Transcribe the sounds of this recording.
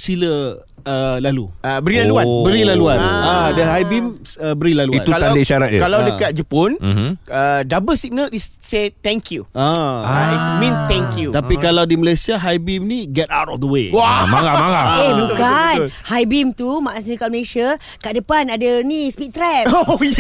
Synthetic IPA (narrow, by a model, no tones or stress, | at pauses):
silə | əlaluəbəɾilaluabəɾilaluannadəɦajbiməbəɾilaluia̰nuaadaiʃaɾat̪̚kalawdəkat̪̚d͡ʒəponədabəsiɡ̚nəlisset̪ɛŋkjuaaismĩnt̪ɛ̃ŋkjut̪apikalawdiməlajsiaɦajbimniɡɛtawtɔfd̪əwewamaamaaebukanhajbimt̪umãʔasinəkaʔməlesia | kaʔdəpanadanispit̪ɾɛp